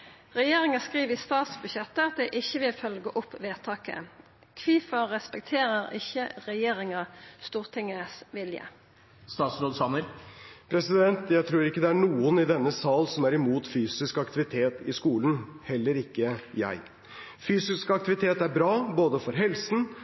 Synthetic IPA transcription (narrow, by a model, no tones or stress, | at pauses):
ʁɛjeːʁɪŋɑskʁiːʋɪst̪ɑːt̪sbʉɕɛt̪ːəɑt̪̚d̪ɛʔɪçːəʋɪlfœlɡəʔɔpʋeːt̪ʰɑːkə̰ | kʰʋiːfəːɛspɛk̚t̪ʰeːʁəʁɪçːəʁɛjeːɾɪŋɑst̪uːʁt̪ʰɪŋːəsʋɪljə̰ | st̪ɑːt̪sɾoːd̪sɑnəɾpʰɾɛsɪd̪ɛnt̪jæɪt̪ʰɾuːɾɪkːəd̪ɛæɳuːənɪd̪ɛnːəsɑːlsɔmæɾɪmuːt̪fyːsɪskɑkt̪ɪʋɪt̪ʰeːt̪ɪskuːlənhɛlːəɾɪkːəjæ̰ɪ | fyːsɪskɑkt̪ɪʋɪt̪ʰeːt̪æɾbɾɑːboːd̪əfɔɾɦɛlsn̩